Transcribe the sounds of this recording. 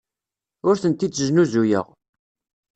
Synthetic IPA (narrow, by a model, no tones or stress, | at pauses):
ʊɾθənt̪it͡sːəʒnuzujə̰ʁ